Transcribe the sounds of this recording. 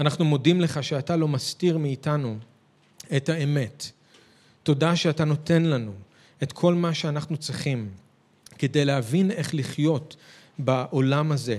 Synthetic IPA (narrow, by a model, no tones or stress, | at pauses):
anaχnumo̞dimle̞χaʃeatalo̞mastiʁmiːtanu | ethae̞me̞tː | o̞daʃeatano̞te̞nlanu | e̞tkʰo̞lmaʃeanaχnut͡sʁiχim | kede̞jleɦavine̞χliχjo̞t | baʔo̞lamaze̞